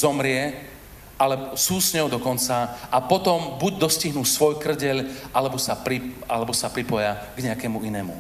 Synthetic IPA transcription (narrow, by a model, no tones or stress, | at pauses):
zɔmɾɪɛ | alɛbɔsuːsɲɔʊd̪ɔkɔnt͡saapɔt̪ɔmbuɟd̪ɔsciɦnuːsʋɔjkr̩ɟɛʎʔalɛbɔsapɾialɛbɔsapɾipɔjaɡɲɛakɛːmuinɛːmṵ